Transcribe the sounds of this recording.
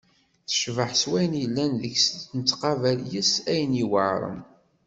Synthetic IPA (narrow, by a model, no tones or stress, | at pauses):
θə̥ʃvəħswæjənjəlːænðəçsnt͡s̪ːqɑvæljəsæjniwəʕɾˤə̰m